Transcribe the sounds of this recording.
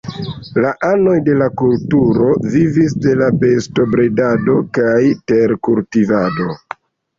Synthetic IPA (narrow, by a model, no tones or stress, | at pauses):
laʔano̞jde̞lakultuɾo̞vivis̬de̞labe̞sto̞bɾedado̞kajte̞ɾkultivado̞